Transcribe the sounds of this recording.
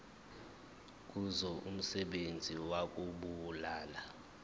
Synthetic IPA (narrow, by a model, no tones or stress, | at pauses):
k̬ʼuzɔʔum̩sɛɓend͡zʱiwak̬ʼuɓulaːla